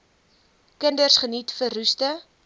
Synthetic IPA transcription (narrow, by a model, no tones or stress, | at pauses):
kəndərsχənitfərʉstə